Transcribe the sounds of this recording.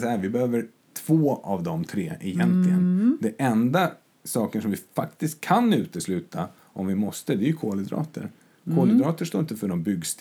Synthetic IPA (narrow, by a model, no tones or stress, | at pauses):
sahæːɾvɪbɛhøːvəɾ | t̪ʰv̥oːavd̪ɔmt̪ʰɾḛːʔɪjɛnt̪lɪɡənd̪ɛʔɛnd̪a | sɑːkəʂɔmvɪfakt̪ɪst̪̚kʰːanʉ̟ːt̪əslʉ̟ːt̪ʰa | ʔɔmvɪmɔst̪əd̪ɛɾjɵkʰoːləd̪ɾɑ̰ːt̪ʰə̰ɾ | kʰoːlɪd̪ɾɑːt̪əʂt̪oːɪnt̪əfœɖɔmbʏɡst̪